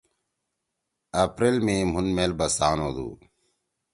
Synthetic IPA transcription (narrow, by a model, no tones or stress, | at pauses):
ɐpɾelmẽːm̤unmeːlbɐsaːnoːd̪ṵː